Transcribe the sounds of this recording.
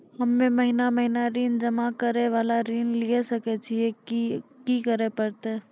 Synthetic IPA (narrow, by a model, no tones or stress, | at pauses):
hɐmːẽmɐɦinamɐɦinaɾiːnd͡ʒɐmakɐɾeʋaːlaɾiːnliesɐket͡ʃʰieikikəɾepɐɾt̪eː